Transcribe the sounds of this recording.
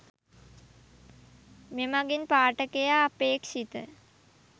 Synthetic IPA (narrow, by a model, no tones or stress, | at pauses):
memaɡinpaːʈəkejaːpeːkʃit̪ə̰